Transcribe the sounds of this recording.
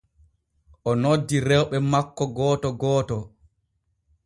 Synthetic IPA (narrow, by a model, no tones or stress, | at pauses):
ʔɔnodːiɾɛwɓɛmakːɔɡɔːtɔɡɔːtɔ